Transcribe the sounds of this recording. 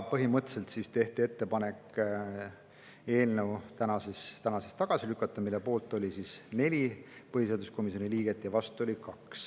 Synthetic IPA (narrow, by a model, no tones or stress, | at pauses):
pɤɦimɤt̪ːˑse̞lt̪sist̪e̞ht̪ie̞t̪ːe̞pɑne̞k | e̞ːlne̞wt̪ænɑsest̪ænɑsest̪ɑɡ̥ɑsilykːˑɑt̪ːˑɑmilːepo̞ːlt̪ːˑo̞lʲisisne̞lʲipɤhiseɑd̪usko̞misioniliːɡ̥e̞t̪ːˑjɑvɑst̪uo̞lʲikɑks